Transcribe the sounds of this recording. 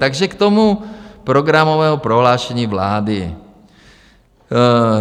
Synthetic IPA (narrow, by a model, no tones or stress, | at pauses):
t̪aɡʒɛkt̪omupɾoɡɾamovɛːɦopɾoɦlaːʃɛɲiːvlaːdɪ